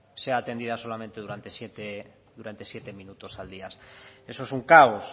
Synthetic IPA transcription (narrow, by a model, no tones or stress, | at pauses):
seaːt̪e̞nd̪ið̞aso̞lamẽnt̪e̞ðuɾant̪esjet̪e | ðuɾant̪e̞sjet̪e̞mĩnut̪osald̪iasesoesuŋkaos